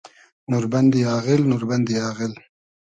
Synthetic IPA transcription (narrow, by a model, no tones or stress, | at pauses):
nuɾband̪ijɑːɣɪlnuɾband̪ijɑːɣɪl